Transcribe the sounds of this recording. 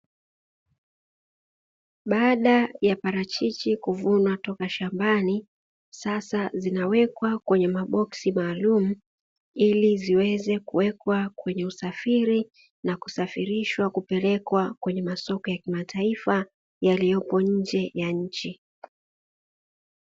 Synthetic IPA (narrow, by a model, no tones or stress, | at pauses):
ɓaɗajapaɾat͡ʃit͡ʃikuvunwatɔkaʃambani | sasazinawɛkwakwɛɲɛmaɓɔksimaːlum̩ | iliziwɛzɛkuwɛkwakwɛɲɛusafiɾi | naku̥safiɾiʃwakupɛlɛkwakwɛɲɛmasɔkɔjakimatʰaifa | jalijɔpɔɲ̩d͡ʒɛjaɲ̩t͡ʃi